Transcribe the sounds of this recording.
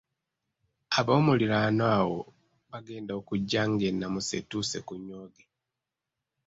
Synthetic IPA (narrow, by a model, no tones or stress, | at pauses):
aβo̞ːmuliɾanawo̞ | βaɡe̞ːndaokuɟːaŋɡe̞nːamuse̞̰tusekuɲːoːɡe